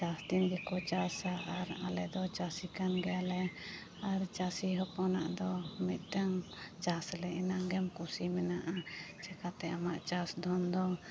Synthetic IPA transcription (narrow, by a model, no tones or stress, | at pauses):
t͡ʃasd̪inɡɛkɔt͡ʃasaaɾa̰lɛd̪ɔt͡ʃasikanɡɛalɛ | aɾt͡ʃasiɦəpɔna̰ʔd̪ɔmit̪̚ʈaŋt͡ʃaslɛinaɡɛmkusimɛnaʔat͡ʃɛkat̪ɛamaʔt͡ʃasd̪ʱɔnd̪ɔ